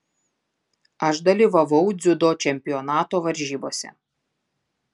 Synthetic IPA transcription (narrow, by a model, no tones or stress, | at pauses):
ɐʃd̪ɐlʲiːʋɐʋɐʊd̪zʲʊd̪oːt͡ʃʲɛmʲpʲɪjɔnɑːt̪oːʋɐɾʲʒʲiːboːsʲɛ̰